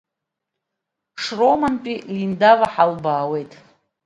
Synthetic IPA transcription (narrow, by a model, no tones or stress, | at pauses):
ʂromanpʼilindavaħalbaːwe̞jtʼ